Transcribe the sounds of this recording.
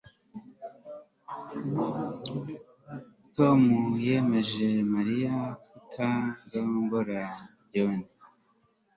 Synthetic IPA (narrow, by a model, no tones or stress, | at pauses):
tomuje̞me̞ʒe̞maɾijakutʰaɾoŋɡoɾa | ɟoni